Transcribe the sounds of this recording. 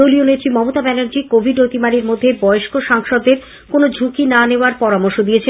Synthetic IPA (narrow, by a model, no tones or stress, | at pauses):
olionet̪ːɾimɔmot̪abɛnoɾd͡ʑikobʱiɖnot̪imaɽiɾmod̪ʱːebɔeoʃkoʃaŋʃod̪ːeɾ | konod͡ʑʱukinaneoaɾpɔɾamoɾʃod̪ijet͡ɕʰe